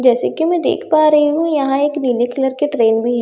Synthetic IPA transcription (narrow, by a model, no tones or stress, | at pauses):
d͡ʒɛːsekimɛ̃d̪ḛːkʰpaːɾɐɦiɦũjɐɦãeːkniːnekɪləɾkeʈɾeːnbʱiɦɛː